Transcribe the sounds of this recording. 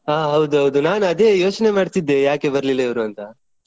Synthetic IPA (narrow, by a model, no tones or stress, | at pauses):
aːɦɐwd̪uɦɐwd̪unaːnɐd̪e̞ːjo̞ːt͡ʃne̞maːɖt̪id̪ːe̞jaːke̞bɐɾlilːɐiʋɾuɐnt̪ɐ